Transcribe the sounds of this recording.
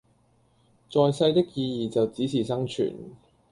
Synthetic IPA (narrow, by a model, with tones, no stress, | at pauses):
t͡sɔː˨jsɐ˧jt̪ɪ˥k̚jiː˧jiː˨˩t͡sɐ˨wt͡siː˨˥t͡sʰiː˨˩sɐ˥ŋt͡ʃʰy̰ː˨˩n